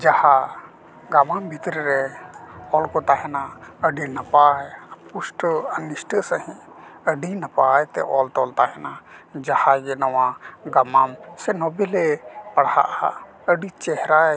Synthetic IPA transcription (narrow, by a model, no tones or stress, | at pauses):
d͡ʒaha | ɡamambʱit̪ɾəɾɛ | ɔlkɔt̪aɦɛnaəɖinapajpusʈəənisʈəsəɦĩ | əɖinapaːjt̪ɛ̰ʔɔlt̪ɔlt̪aɦɛnad͡ʒahaɡɛnɔwaɡamamsɛnɔbelɛpɐɽha̰ʔa̰ | əɖit͡ʃɛɦɾa